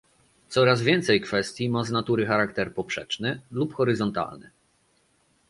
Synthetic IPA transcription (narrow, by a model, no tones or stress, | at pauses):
t̪sɔɾazvʲjɛnt̪sɛjkfɛst̪ʲjimaznat̪uɾɘxaɾakt̪ɛɾpɔpʂɛ̰t͡ʂnɘlupxɔɾɘzɔnt̪a̰lnɘ̰